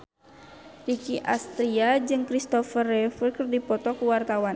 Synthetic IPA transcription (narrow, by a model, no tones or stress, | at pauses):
rikiʔa̰st̪ɾiad͡ʒɨŋkɾist̪ɔfərɛfərkɨrdipɔt̪ɔkuwart̪awan